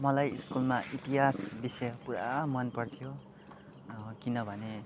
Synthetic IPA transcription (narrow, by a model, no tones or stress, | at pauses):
mʌlajiskulmaʔit̪iɦasbisʌjʌpuɾamʌnpʌrt̪ʰijo | kinʌbʱʌne